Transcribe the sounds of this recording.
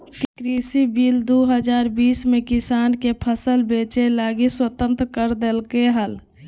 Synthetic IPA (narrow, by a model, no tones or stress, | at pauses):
kkɾisibild̪oɦəd͡ʒaːɾbiːsmekɪsaːnkepʰəsəlbeːt͡ʃelaːɡiswət̪ə̃nt̪ɾkəɾd̪elkeɦəl